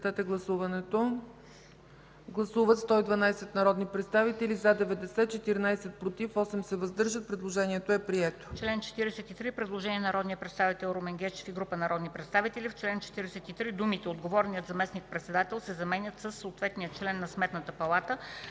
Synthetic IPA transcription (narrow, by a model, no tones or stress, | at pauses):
t̪at̪ɛɡlˠɐsuvɐnɛt̪o | ɡlˠɐsuvət̪st̪ɔid̪vɐnajsɛt̪nɐɾɔd̪nipɾɛt̪st̪avit̪ɛlʲizad̪ɛvɛd̪ɛsɛt͡ʃɛt̪iɾinajsɛt̪̚pɾot̪ifɔsɛmsɛvɐzd̪ɤɾʒət̪̚pɾɛd̪lˠoʒɛniɛt̪oɛpɾiɛt̪o̥t͡ʃlɛnt͡ʃɛ̥t̪iɾɛsɛt̪it̪ɾipɾɛd̪lˠoʒɛniɛnɐɾɔd̪nijəpɾɛt̪st̪avit̪ɛlˠɾomɛŋɡʲɛt͡ʃɛ̥fiɡɾupənɐɾɔd̪nipɾɛt̪st̪avit̪ɛlift͡ʃlɛnt͡ʃɛ̥t̪iɾɛsɛt̪it̪ɾid̪umit̪ɛod̪ɡovɔɾnijət̪zɐmɛsnik̚pɾɛt̪sɛd̪at̪ɛlˠsɛzɐmɛnʲət̪səsːoːt̪vɛt̪nijət͡ʃlɛnːɐsmɛt̪nət̪əpɐlˠat̪ə